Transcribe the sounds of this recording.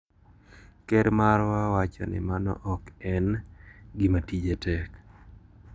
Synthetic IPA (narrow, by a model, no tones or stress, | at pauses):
kɛɾmaɾwawat͡ʃɔ̰nɪ̰manɔ̰ʔɔkɛnɡɪmatid͡ʒetɛk